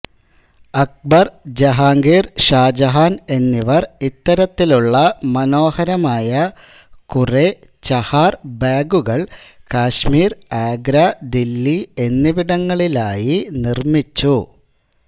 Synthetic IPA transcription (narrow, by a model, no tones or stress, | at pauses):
ɐk̚bɐrd͡ʑɐɦaːŋɡeːrɕaːd͡ʑɐɦaːne̞nːiʋɐrit̪ːɐɾɐt̪ːiluɭːɐmɐno̞ːhɐɾɐmaːjɐ | kure | t͡ɕɐhaːrbaːɡuɣɐɭkaːɕmiːraːɡɾɐd̪ilːie̞nːiʋiɽɐŋːɐɭilaːjinirmit͡ɕːu